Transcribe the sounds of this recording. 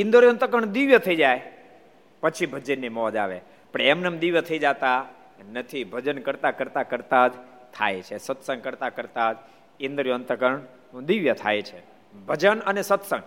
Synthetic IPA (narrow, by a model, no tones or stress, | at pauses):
ɪnd̪əɾjont̪əkəɳd̪iʋjət̪ʰəid͡ʒaj | pət͡ʃʰibʱəd͡ʒinːimɔd͡ʒaʋḛ | pəɳemnəmd̪iʋjət̪ʰəid͡ʒat̪a | nət̪ʰibʱəd͡ʒənkəɾt̪akəɾt̪akəɾt̪ad͡ʒ | t̪ʰa̰jt͡ʃʰesət̪səŋkəɾt̪akəɾt̪ad͡ʒ | ɪnd̪ɾjont̪əkəɳ | d̪iʋjət̪ʰa̰jt͡ʃʰe | bʱəd͡ʒənənesət̪sə̃ŋɡ